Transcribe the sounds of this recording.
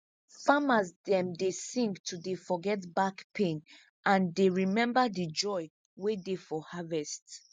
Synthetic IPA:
famazdɛ̃mdesĩŋktʰudefɔɡɛtbakpʰẽn | ʔãndeɹimɛ̃mbədid͡ʒɔɪ | wedefɔhavɛst

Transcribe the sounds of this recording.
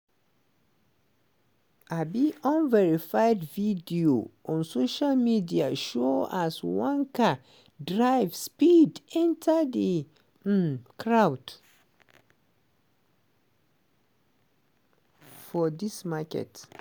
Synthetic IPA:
ʔabiʔɔ̃nvɛɹifajdvidioʔɔ̃nsoʃalmidiaʃoaswãnka | dɹaɪvspidɛ̃ntʰadə | kʰɹawd | fɔdismakɛ̰t

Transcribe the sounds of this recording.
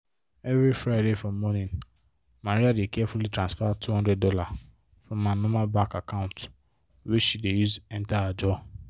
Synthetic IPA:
ɛvɾifɾaɪdefɹɔ̃mːɔnĩn | maɾiadekʰɛfulitʰɹãnsfatʰuhɔ̃ndɹɛd̚dɔla | fɹɔ̃manɔ̃malbakakʰãʊ̃nt | wiʃidejuzɛ̃ntaad͡ʒɔ

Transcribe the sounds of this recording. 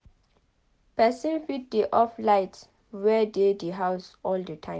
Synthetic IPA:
pɛsĩnfit̚diʔɔflajts | wɛdediɦawsɔldətʰãɪ̃

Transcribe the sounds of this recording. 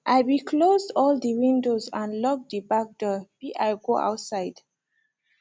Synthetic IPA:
ʔajbikʰlozdɔldəwĩndozãnlɔk̚d̪ibak̚dɔbiʔajɡoa̰wtsaɪd̥

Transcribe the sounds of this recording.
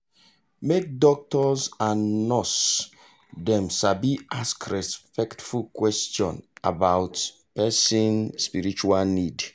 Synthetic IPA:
mek̚dɔk̚tɔzãnnɔs | dɛ̃mʃabiʔaskɹɛspɛktfulkwɛstjɔ̰̃na̰bawt | pɛsĩnspiɾit͡ʃualnid

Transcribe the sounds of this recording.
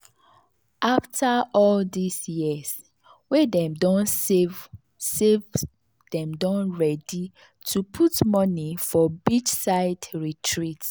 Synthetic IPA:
ʔaftʰaʔɔldisjis | wedɛ̃mdɔ̃n | sev | dɛ̃mdɔ̃nɹɛdi | tʰupʰutmɔnifɔbit͡ʃsaɪdɹitʰɹit

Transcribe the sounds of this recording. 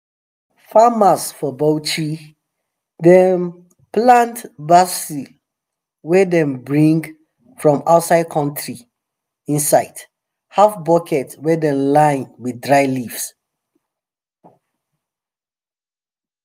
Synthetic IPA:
famasfɔbot͡ʃʰɹi | dɛm | plãntbasi | wɛdɛ̃mbɹĩŋɡ | fɹɔ̃maʊtsaɪd̚kʰɔ̃ntʰɹi | ĩnsaɪd | hafbɔkʰɛtwɛdɛ̃mlãɪ̃nwidɹaɪlifs

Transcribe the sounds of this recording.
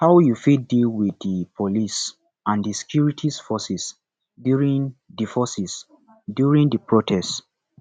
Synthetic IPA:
hawjufidilwiðipʰolis | ãndisɛ̥kʰjuɹitʰisfɔsis | djuɹĩnðifɔsis | djuɹĩndəpɹotʰɛst

